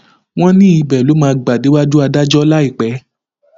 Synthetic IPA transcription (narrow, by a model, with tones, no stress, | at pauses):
w̃ɔ̃˦nĩ˦i˧bɛ˨lo˨˦mãː˧ɡ͡ba˨de˨˦wa˦du˦a˧da˦d͡ʒɔ˦la˦i˦˨k͡pɛ˨˦